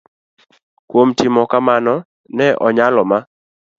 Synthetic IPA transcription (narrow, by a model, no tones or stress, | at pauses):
kwomtɪmɔkamanɔ | nɛʔɔɲalɔma